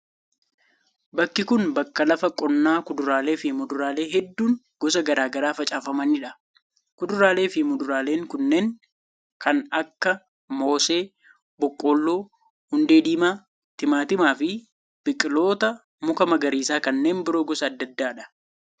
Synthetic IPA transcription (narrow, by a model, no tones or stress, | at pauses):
bɐkːɪkʊnbɐkːɐlɐfɐkʼːɔnːaːkʊd̪ʊɾaːle̞ːfɪmʊd̪ʊɾaːle̞ːɦɛd̪ːuːŋ | ɡ̥ɔs̬ɐɡɐɾaːɡɐɾaːfɐt͡ʃʼaːfɐmɐnɪᶑɐ | kʊd̪ʊɾaːle̞ːfɪmʊd̪ʊɾaːle̞ːŋkʊnːe̞ːŋ | kɐnɐkːɐ | mo̞ːse̞ː | bɔkʼːo̞ːlːoː | hʊnd̪e̞ːd̪iːmaː | t̪ɪmaːt̪ɪmaːfɪ | b̥ɪkʼːɪlo̞ːt̪ɐ | mʊkɐmɐɡɐɾiːsaːkɐnːe̞ːmbɪɾo̞ːɡɔsɐːd̪ːɐd̪ːaːᶑɐ̥